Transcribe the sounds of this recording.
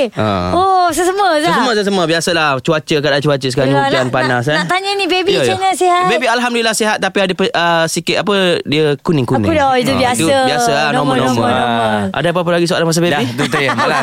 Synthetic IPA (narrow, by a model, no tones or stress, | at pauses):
ə̰osəsəməssəmə̃səsəmə̃biasəlaht͡ʃuat͡ʃəkadat͡ʃuat͡ʃəsə̥kaɾauuanpanas̬anaʔt̪aɲənĩbebijt͡ʃinəsiɦabebialɦamduilahsiɦat̪̚ːapiadəpəəsikɪt̪ap̬ədiəkunɪ̃ŋkunɪ̰̃dɔit̪ubiast̪uəbiasəannɔmə̃nɔmə̃məʔa̰dapap̬əlaɡisua̰lanmas̬abebit̪ut̪ɾiaa